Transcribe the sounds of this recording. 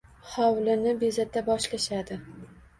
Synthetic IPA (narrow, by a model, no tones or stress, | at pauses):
hɒwlɪnɪbezat̪ːabɒʃlaʃad̪ɪ